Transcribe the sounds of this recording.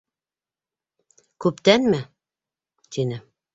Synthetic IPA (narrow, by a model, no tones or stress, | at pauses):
kʉpt̪ænmɘ | t̪inɘ